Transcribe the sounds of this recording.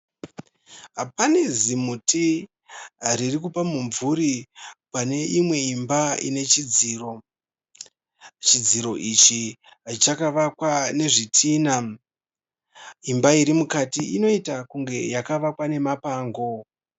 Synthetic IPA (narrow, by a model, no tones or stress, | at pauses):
pane̞zimuti | ririkupamuɱvuɾipane̞ʔimwe̞imbaḭne̞t͡ʃid͡ziːro̞ | t͡ʃid͡ziɾo̞ʔit͡ʃi | t͡ʃakaʋakwane̞ʐitʰiːna | imbaiɾimukatiʔino̞itakuŋɡe̞jakaʋakwane̞mapaːŋɡo̞